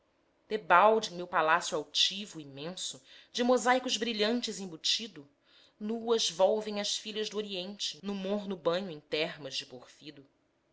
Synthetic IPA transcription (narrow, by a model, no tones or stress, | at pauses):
d̪̥ebawd͡ʒẽj̃mewpalasjuawt͡ʃivʊimẽsʊd͡ʒɪmozajkʊzbɾiʎɐ̃nt͡ʃɪzĩbut͡ʃid̪ʊ | nuɐzvɔwvẽj̃ɐʃfiʎɐzd̪ʊoɾiẽnt͡ʃɪnʊmoɦnʊbɐ̃ɲʊẽj̃t̪ɛɦmɐzd͡ʒɪpoχfid̪ʊ